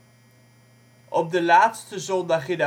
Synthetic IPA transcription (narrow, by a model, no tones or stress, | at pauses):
ʔɔb̚dəlaːtstəzɔndɑχɪnə